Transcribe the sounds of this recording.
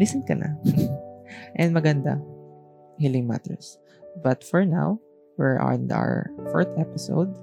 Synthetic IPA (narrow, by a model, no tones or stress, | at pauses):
lisɛnkɐnʔa̰ | ʔɛnd̪mɐɡɐnd̪a̰ | hilɪŋma̰t̪ɛ̰ɹs | bɐt̪fɔɹna̰w | wɪɹa̰ɹnd̪a̰w̰fɔɹt̪ɛpɪso̰wd̪̚